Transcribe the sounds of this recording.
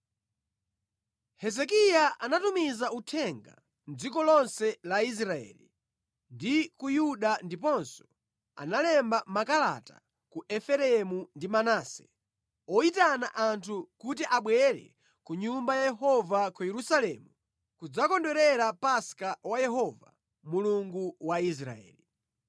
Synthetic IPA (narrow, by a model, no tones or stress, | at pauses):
hɛzɛkijaʔanatumizautʰɛŋɡa̰ | nd͡zikɔlɔnsɛlais̬ɾaɛ̰li | ndikujuɗandipɔnsɔ̥ | a̰nalɛmbamakala̰ta̰ | kuʔɛfɛɾɛmundimanaːsɛ̥̰ | ɔitanaʔantʰukutiʔaɓwɛɾɛ̰ | kuɲumbajajɛɦɔvakujɛɾusalɛːmu | kud͡zakɔndɔɾɛɾapaskawajɛɦɔva̰ | muluŋɡuwais̬ɾa̰ɛ̰ːli